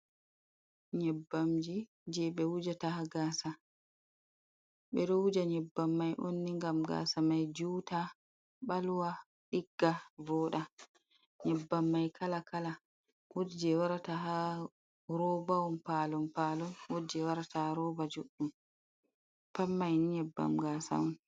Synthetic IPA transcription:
ɲɛbːamd͡ʒi | d͡ʒɛɓɛwud͡ʒatahaɡaːsa | ɓɛɗɔwud͡ʒaɲɛbːamːajʔonːiŋɡamɡa̰ːsamajd͡ʒuːta | ɓalwa | ɗiɡːavɔːɗa | ɲɛbːamːajkʰalakʰala | wudd͡ʒɛwaɾataɦa | ɾɔbawɔmpalɔmpalɔnwod͡ʒɛwaɾataɾɔːbad͡ʒuɗːum | pamːajniɲɛbːa̰mɡasa̰wɔn

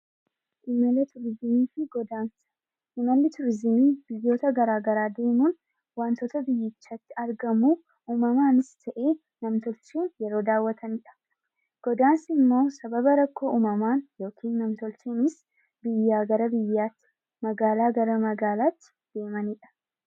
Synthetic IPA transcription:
ʔɪmɐlɐt̪ʊɾzɪmiːfɪɡɔd̪aːnsɐ̥ | ʔɪmɐlːɪt̪ʊɾzɪmiːbɪjːo̞ːt̪ɐɡɐɾaːɡɐɾaːd̪e̞ːmuːn | waːnt̪oːt̪ɐbɪjːɪt͡ʃːaːt̪ːɪɐɾɡɐmuː | ʔuːmɐmaːnɪst̪ʰɐʔe̞ː | nɐmt̪ɔlt͡ʃeːnjɛɾo̞ːd̪aːwːɐt̪ʰɐniːᶑɐ̥ | ɡ̥ɔd̪aːnsɪmːo̞ːsɐbɐbɐɾɐkːo̞ːʔuːmɐmaːnjo̞ːkʰiːnːɐmt̪ɔlt͡ʃeːnɪs | bɪjːaːɡɐɾɐbɪjːaːt̪ːɪ̥ | mɐɡaːlaːɡɐɾɐmɐɡaːlaːt̪ːɪ̥d̪̥e̞ːmɐniːᶑɐ̥

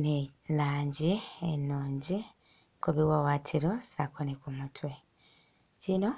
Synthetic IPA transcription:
nelaːɲɟienːuːɲɟi | koβiwawaːtʰiɾo̞sakonekumutʰwe̞ | cino̞

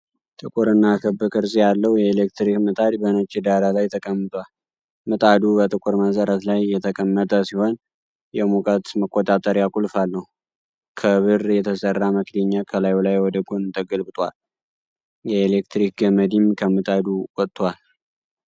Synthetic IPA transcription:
t̪ʼɨkʼuɾɨnːakʰəbːɨkʼɨɾsʼijalːəwjɛːlekt̪ɾikmɨt̪ʼad̪bənət͡ʃʼːɪd̪aɾalajt̪ʰəkʼəmːɨt̪ʼwal | mɨt̪ʼad̪ubət̪ʼɨkʼuɾməsəɾət̪lajːɛt̪ʰəkʼəmːət̪ʼəsiho̞n | jɛmukʼət̪məkʼːot̪ʼat̪ʼəɾjakʼulfalːəw | kʰəβɨɾjɛt̪ʰəsərːaməkd̪eɲːakʰəlajlajwɔd̪əɡonɨt̪ʰəɡəlbɨt̪ʼwa̰l | jɛelek̚t̪ɾik̚ɡəməd̪imkʰəmɨt̪ʼad̪uwʼɔt̪ːʼwal

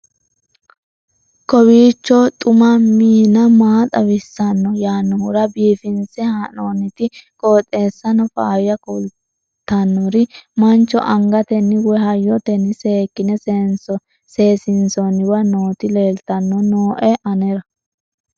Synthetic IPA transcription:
kɔwiːt͡ʃːɔt̪ʼʊmɐmiːnɐmaːt̪ʼɐwɪsːɐnːɔjaːnːɔhʊɾɐbiːfɪnsɛhanoːnɪt̪ɪkʼoːt̪ʼːe̞ːsːɐnɔfa̰ːjɐkul | t̪ːɐnːɔɾɪmɐnt͡ʃːɔ̰ʔɐŋɡɐt̪ɛnːɪwɛɦɐjːɔt̪ɛnːɪse̞ːkːɪnɛsɛnsɔ | se̞ːsɪnsɔnɪwɐnoːt̪ɪle̞ːlt̪ɐnːɔnoːʔɛʔɐnɛɾɐ

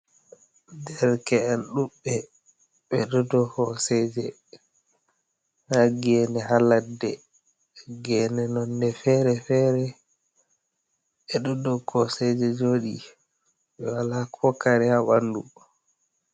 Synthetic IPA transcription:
dɛɾkɛɛnɗuɓːɛ | ɓɛɗɔdɔhɔsɛd͡ʒɛ | naɡɛnɛɦaladːɛ | ɡɛnɛnɔnːdɛfɛɾɛfɛːɾɛ | ɓɛɗɔdɔkʰɔsɛd͡ʒɛd͡ʒoɗḭ | ɓɛwalakʰɔkaɾɛhaɓandṵ

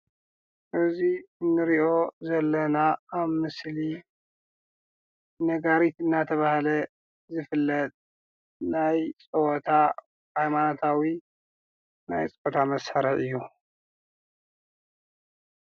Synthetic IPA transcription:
ʔɨziɨnːɨɾiʔo̞zɐlːɐnaːβmɨsli | nɐɡaɾit̪ɨnːat̪ʰɐβahlɐ | zɨfɨlːɐt̪̚ʼ | najt͡sʼɨwɔt̪ʰa | hajmanot̪ʰawi | najt͡sʼɨot̪ʰamɐsaɾɐʕɨjːu

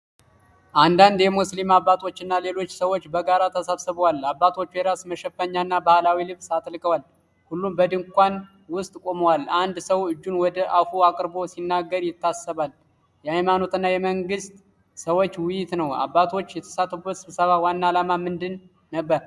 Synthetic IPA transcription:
ʔand̪and̪jɛmuslimabːat̪ʰo̞t͡ʃːɪnːale̞lo̞t͡ʃːsəwot͡ʃːbəɡaɾat̪ʰəsaβsɨβəwalabːat̪ʰo̞t͡ʃːjɛɾasməʃɛfəɲːanːabahlawilɨβsat̪ʼlɨkʼəwal | hulːumbəd̪ɨŋkʷan | wʊst̪ʼkʼo̞məwaland̪səwɨd͡ʒːunwɔd̪əʔafuakʼɨɾbo̞sinːaɡːəɾjɪt̪ːasəβal | jɛajmano̞t̪ʰɨnːajɛməŋɡɨst̪ʼ | səwo̞t͡ʃːwɪjɪt̪nəwa̰bːat̪ʰo̞t͡ʃːjɛt̪ʰə̥sat̪ːfubːət̪sɨβsəβawanːalamamɨnd̪ɨnː | əbːəɾ

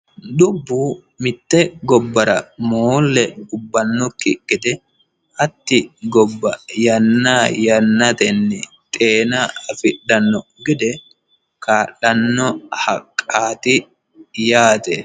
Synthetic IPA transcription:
d̪ʊbːuː | mɪt̪ːɛɡɔbːɐɾɐmoːlːɛʊbːɐnːɔkːɪkʼːɪd̪ɛ | ʔɐt̪ːɪɡɔbːɐjɐnːaːjɐnːɐt̪ɛnːɛ | t̪ʼeːnɐɐfɪɗɐnːɔɡɪd̪ɛ | kaːlːɐnːɔhɐkʼːaːt̪ɪ | jaːt̪ɛ

